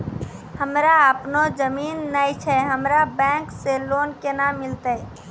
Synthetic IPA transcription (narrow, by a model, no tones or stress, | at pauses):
həmɾaəpnod͡ʒəmiːnːəjt͡ʃʰɛɦəmɾabɛ̃ŋkseloːnkenamːɪlt̪əj